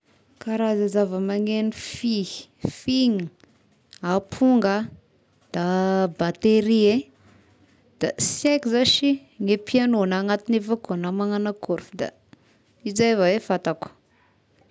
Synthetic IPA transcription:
kaɾazazavəmaŋenifii̥fiŋə | apʰuŋɡə | d̪̥abat̪eɾie | d̪̥asekizaʃi | ŋepianoanaŋat̪inefaknamaŋanakuɾfud̪a̰ | id͡ʒajvawefat̪aku̥

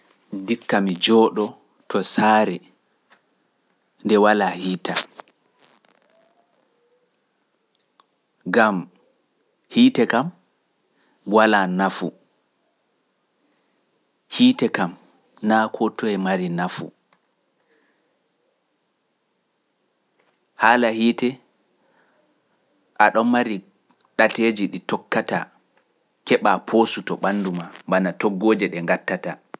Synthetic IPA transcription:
ndikːamid͡ʒɔɗɔ | tɔsaːɾɛ | ndɛwalahiːta | ɡam | hiːtɛkam | walanafu | hiːtɛkam | nakʰɔtʰːɔɛmaɾinafṵ | halahiːtɛ | ʔaɗɔnmaɾi | ɗated͡ʒiɗitɔkːata̰ | kɛɓapʰoːsutɔɓanːdumambanatɔɡːoːd͡ʒɛɗɛŋɡatːata

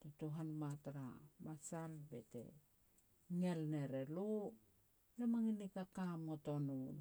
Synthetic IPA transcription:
totuɦanmatɾa̰masalbetḛ | ŋelne̞ɾelo | lemaŋinikakamŋotonun

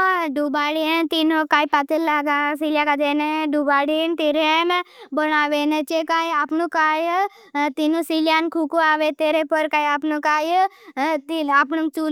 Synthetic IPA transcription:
ɖubaɽint̪inukaːipat̪ellːaɡasiljakad͡ʒeneɖubaɽint̪iɾembənaːʋenet͡ʃekajapnũkaːj | t̪inũsiljankʰukuaːʋet̪eɾepəɾkaːjapnũkaːj | t̪iapnuŋk̚t͡ʃu

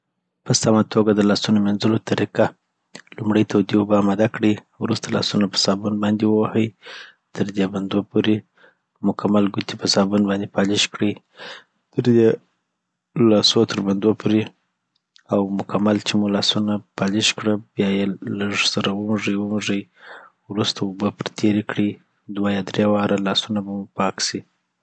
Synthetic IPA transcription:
pəsamat̪ʰoɡad̪əlɑsunomanzəlot̪ʰaɾiqa | lumɽəjt̪ʰawd̪ewbaːmad̪akɽəj | wɾust̪alɑ̰sunapə̥sɑbunbɑnd̪ewəwahəj | t̪ʰəɾd̪eband̪opoɾe | mʊkʰamalɡut̪ipəsɑbunbɑnd̪epɑliʃkɽəj | t̪əɾd̪e | lɑsot̪ʰəɾband̪opʰoɾe | awmʊkamalt͡ʃemulɑsunapɑlɪʃkɽəbjɑjeləʐsaɾawəmuʐəjwəmuʐəj | wɾust̪aubəpɾt̪ʰeɾekɽi | d̪wajɑd̪ɾewɑɾalɑsunabamupɑksi

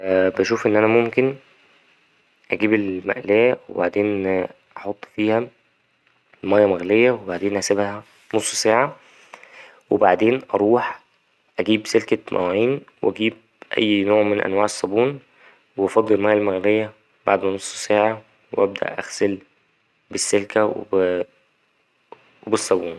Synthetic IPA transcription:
bæʃuːfʔenːʔænæmomken | ʔæɡiːbelmæ̰ʔlæːwḛbaʕd̪eːnʔɑħot̪ˤːfiːhæ | mæjːɑmæɣlejːæwebaʕd̪eːnʔæsæbhæ | nosˤːsæːʕa | webaʕd̪eːnʔɑɾˤuːħ | ʔæɡiːbselkæmʔæ̰wʕiːnwʔæɡiːb̚ | ʔæ̰jːnoːʕmenʔæ̰nwaːʕesˤːɑbuːn | weɑfɑd̪ˤːelmæːjːælmæɣlejːæ | ba̰ʕd̪mænosˤːsæːʕɑ | weʔæb̚d̪æ̰ʔʔæ̰xsel | besːelkæwḛ | webesˤːɑbuːn

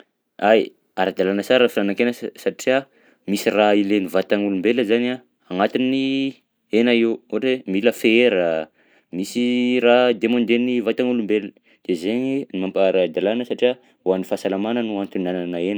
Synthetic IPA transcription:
aj | aɾad̪alanəsaɾəfilanaŋkenəsaʈ͡ʂia | misirailenivat̪aŋulumbeləzana | aŋat̪ini | enaewoʈ͡ʂemiləfeeɾə | misirad̪emõnd̪enivat̪aŋulumbelə̥ | d̪̥ezeɲinimampaaɾad̪alanəsaʈ͡ʂia | wanifasalamanənuant̪unananaenə

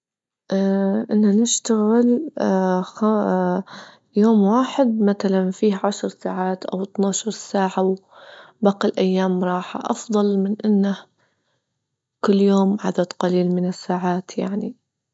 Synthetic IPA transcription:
ʔaʔɪnːanɪʃt̪aɣɪl | xa | joːmwaːħɪd̪̚maθalanfiːhʕaʃɾˤsaːʕaːt̪ʔa̰wɪt̪naːʃɑɾˤsaːʕaw | baːqilʔajːaːmɾˤɑːħa̰ʔɑ̰fðˤɑlmɪnʔɪnːa | kʊlːjoːmʕa̰d̪ad̪qɑliːlmɪnɪsːaːʕaːt̪ja̰ʕni

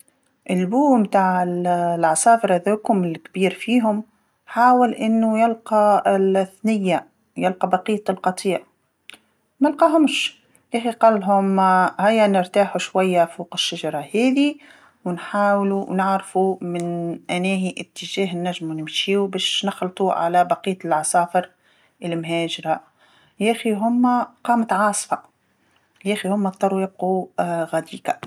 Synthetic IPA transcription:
ʔɪlːbuːmt̪aːʕɪllʕɑsˤɑːfɑɾˤðukʊmɪlkbiːɾfiːɦʊm | ħaːwɪlʔɪnːujɪlqɑɪθnɪjːa | jɪlqɑbɑqiːt̪ˤlqɑt̪ˤiːʔ | mælqɑːɦʊmʃ | ʔæxiqɑlːɦʊmhæjːanɪɾt̪aːħuʃwajːafuːqɪʃːaʒɑɾˤɑhɛːði | wnħaːwluwnɪʕɾfumɪnʔænæːɦiʔɪt̪ːɪʒæːɦnːæʒmunɪmʃiːubæːʃnɪxlt̪ˤuʕa̰læbɑqiːt̪lʕɑsˤɑːfəɾ | ʔɪlmɦæːʒɾa | jæxiɦʊmːæqɑːmət̪ʕɑːsˤfɑ | jʔæːxihʊmːæˤt̪ˤɑɾˤujɪb̚quɣæd̪iːkæ

